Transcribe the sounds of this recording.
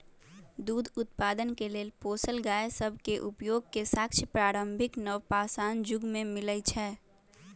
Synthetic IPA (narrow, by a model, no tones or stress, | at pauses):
d̪uːd̪ʱʊt̪̚paːd̪ənkeleːlpoːsəlɡaːesəbʱkeʔʊpjoːɡ̚kesaːkʃʰəpɾaːɾə̃mbʱɪknəʋpaːsaːnd͡ʒʊɡmẽmɪləjt͡ʃʰɛː